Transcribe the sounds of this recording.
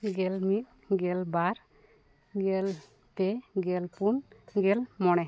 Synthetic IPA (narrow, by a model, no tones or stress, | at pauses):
ɡɛlmit̪̚ˀ | ɡɛlbaɾ | ɡɛl | p̪ɛɡɛlpunɡɛlmɔɽ̃ɛ